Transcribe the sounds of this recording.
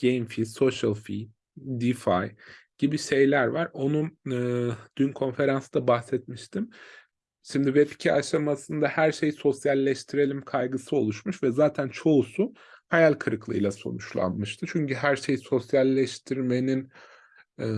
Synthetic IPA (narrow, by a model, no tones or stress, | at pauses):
ɟ̥ejmfiso̞ʃalˠfi | d̪ifajɟ̥ibiʃe̞jlʲæɾvaɾo̞nuɯd̪ynkʰo̞nfe̞ɾansɯd̪abaxsɛt̪miʃt̪ʰim | ʃimd̪ivɛpi̥cʰɛʔaʃamasɯnd̪ahæɾʃe̞jiso̞sjalʲːɛʃt̪ʰiɾe̞lʲimkʰajɡɯsɯo̞̰lˠuʃmuʃvɛzaːt̪ʰænt͡ʃʰo̞usu | hajalʲkʰɯɾɯklˠɯ̰jlˠaso̞̰nuʃlˠa̰nmɯʃt̪ʰɯt͡ʃʰyɲcyɦæɾʃe̞jiso̞sjalʲːɛʃt̪ʰiɾme̞ninː